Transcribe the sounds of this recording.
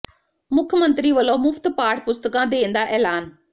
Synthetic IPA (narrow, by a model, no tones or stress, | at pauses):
mʊkʰjəmə̃nt̪ɾiːʋəloːmʊft̪paːʈʰpʊst̪əkãːd̪ẽːnd̪aːʔɛːlaːn